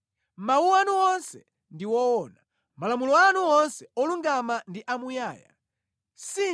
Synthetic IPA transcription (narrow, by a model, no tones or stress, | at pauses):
mawuanuɔnsɛ̰ | ndiwɔwɔːna | malamulɔanuɔnsɛɔluŋɡamandiʔamujaːja̰ | si